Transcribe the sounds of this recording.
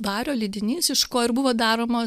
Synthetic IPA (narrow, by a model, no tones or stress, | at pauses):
ʋɑːɾʲoːlʲiːd̪ʲɪnʲiːsɪʃkoːɪɾbʊʋoːd̪ɑːɾoːmo